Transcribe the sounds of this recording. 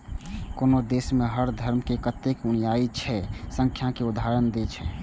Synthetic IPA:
konod̪esmeɦəɾd̪ʱəɾmkekət̪ːekunijait͡ʃʰɛsə̃ŋkʰjakeud̪ʱɦaɾənd̪et͡ʃʰɛ

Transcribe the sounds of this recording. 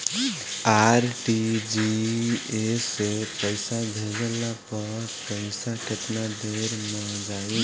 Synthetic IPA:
aɾʈid͡ʒi | esepəɪsabʱed͡ʒəlapəɾpəɪsaket̪nad̪eɾməd͡ʒai

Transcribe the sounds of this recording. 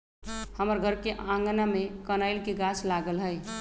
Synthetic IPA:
həməɾɡʱəɾkeʔãŋɡnamekənajlkeɡaslaɡəlɦəj

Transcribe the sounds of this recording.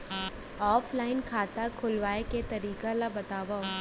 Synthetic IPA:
ɔːflaːɪnkʰaːt̪akʰʊlʋaːeket̪ɐɾiːkalabɐt̪aːʋa

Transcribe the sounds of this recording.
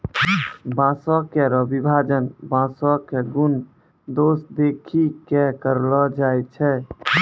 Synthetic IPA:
bãsɔkeɾəbʱibʱad͡ʒənbãsɔkeɡun | d̪osd̪ekʰikekəɾlɔd͡ʒajt͡ʃʰɛ

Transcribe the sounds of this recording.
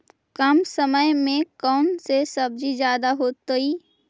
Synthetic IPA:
kɐmsəməjmẽkɔːnsesɐb̚d͡ʒid͡ʒjaːd̪aɦoːt̪iː

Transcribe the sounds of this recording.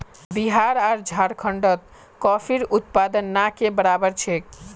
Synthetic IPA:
biɦaɾaɾd͡ʒʱaɾkʰəɳɖət̪̚ | kɔpʰiɾut̪̚pad̪ənːakebəɾabəɾt͡ʃʰek

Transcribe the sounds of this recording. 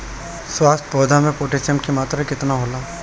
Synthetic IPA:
swaːst̪̚poːd̪ʱamẽpoːʈesəmkimaːt̪ɾaɦikɪt̪naɦoːlaː

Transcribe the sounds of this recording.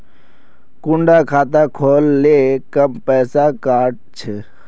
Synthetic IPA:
kʊɳɖaːkʰaːt̪aːkʰoːlːeːkəmpɛːsaːkaːʈ̚t͡ʃʰe

